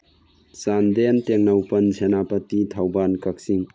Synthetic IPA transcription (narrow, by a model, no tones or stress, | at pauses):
sand̪enteŋnawpɐnsʰenapɐtitʰawbankɐk̚siŋ